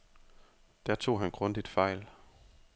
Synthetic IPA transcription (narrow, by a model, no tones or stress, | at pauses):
d̥æɐt͡sʰo̝̰ːɦænɡ̥ʁɔ̽nd̥id̥fɑ̈ɪ̰l